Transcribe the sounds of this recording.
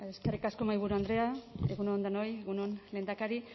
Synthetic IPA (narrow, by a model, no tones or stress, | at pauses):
eskerikasko̞majβuɾuand̪ɾe̞aeɣunond̪anojeɣunonle̞ːnd̪akaɾi